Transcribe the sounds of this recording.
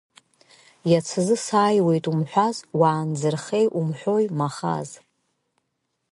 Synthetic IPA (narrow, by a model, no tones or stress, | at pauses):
jat͡sʰɨzɨsaːjwe̞jtʼumħʷᶣazwaːnd͡zɨrχe̞jʔumħʷᶣo̞jmaχa̰z